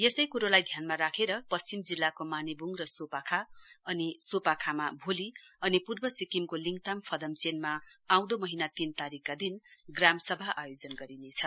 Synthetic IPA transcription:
jesʌjkuɾolajd̪ʱjanmaɾakʰeɾʌpʌt͡st͡simd͡zilːakomanibuŋrʌsopakʰaʌnisopakʰamabʱoliʌnipurbʌsikimkoliŋɡt̪ampʰʌd̪ʌmt͡senmaaw̃d̪omʌɦinat̪int̪aɾikːad̪inɡramsʌbʱaʔajod͡zʌnɡʌɾinet͡sʰʌ

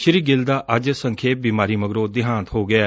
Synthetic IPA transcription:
ʃɪɾiːɡɪld̪aːʔəd͡ʒsə̃ŋkʰeːp̚biːmaːɾiːməɡɾoːd̪ɪɦãːnt̪ɦoːɡɪaː

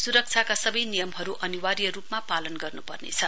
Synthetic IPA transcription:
suɾʌk̚t͡sʰjakasʌbʌjnijʌmɦʌɾuʔʌniwaɾjʌɾupmapalʌnɡʌrnupʌrnḛt͡sʰʌ

